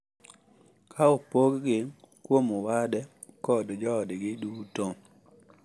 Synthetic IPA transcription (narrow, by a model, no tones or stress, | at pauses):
kʰaopoɡɡɪ | kwomowadɛ | kɔdd͡ʒɔdɡɪduto